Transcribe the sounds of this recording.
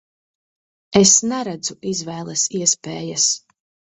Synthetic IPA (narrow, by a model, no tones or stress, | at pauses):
esnɛɾæd̪zuʔizvɛːlˠɐsiɛspeːjas